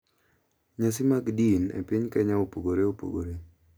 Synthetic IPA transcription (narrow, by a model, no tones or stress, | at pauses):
ɲasɪmakdinɛ̰pɪɲkɛɲaopoɡoɾeopo̰ɡo̰ɾe